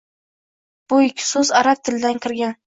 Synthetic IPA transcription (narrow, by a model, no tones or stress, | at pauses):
b̥ʊɪkʲʰːsʊzaɾap̚t̪ʰɪld̪aŋkʲʰɪɾɡʲan